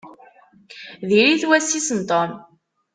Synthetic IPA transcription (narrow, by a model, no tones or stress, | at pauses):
ðiɾiθwæsisənt̪ˤom